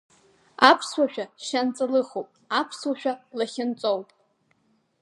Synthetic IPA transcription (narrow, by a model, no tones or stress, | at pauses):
apʰswaʃᶣaʃant͡sʼalɨχowpʼapʰswaʃᶣalaχʲɪnt͡sʷʼowpʼ